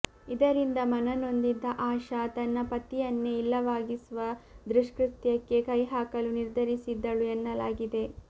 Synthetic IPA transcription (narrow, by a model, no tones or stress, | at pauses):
id̪ɐɾind̪ɐmɐnɐno̞nd̪id̪ːɐʔaːʃɐt̪ɐnːɐpɐt̪ijɐnːe̞ilːɐʋaːɡisʋɐd̪ɾuʂkɾut̪jɐkːe̞kɐjɦaːkɐluniɾd̪ʱɐɾisid̪ːɐɭuenːɐlaːɡid̪e̞